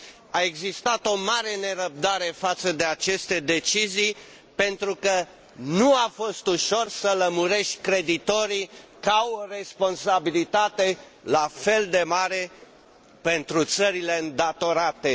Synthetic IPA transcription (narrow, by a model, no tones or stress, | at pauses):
ae̞ɡzist̪at̪o̞maɾe̞ne̞ɾəb̚d̪aɾe̞fat̪səd̪e̞at͡ʃe̞st̪e̞d̪e̞t͡ʃizij | pe̞nt̪ɾukə | nuafo̞st̪uʃo̞rsələmuɾe̞ʃt̪ʲkɾe̞d̪it̪o̞ɾikaworespo̞nsabilit̪at̪e̞ | lafe̞ld̪e̞maɾe̞ | pe̞nt̪ɾut̪səɾile̞ɨnd̪at̪o̞ɾat̪e̞